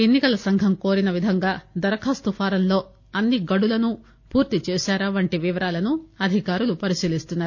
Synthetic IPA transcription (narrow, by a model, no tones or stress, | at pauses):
enːikɐlɐsɐŋɡʱɐmko̞ːɾinɐʋid̪ʱɐŋɡaːd̪ɐɾɐkʰaːst̪upʰaːɾɐnlo̞ː | ɐnːiɡɐɽulɐnu | puːɾt̪it͡ʃɛːʃaːɾɐʋɐɳʈiʋiʋɐɾaːlɐnuɐd̪ʱikaːɾulupɐɾisiːlist̪unːaːɾu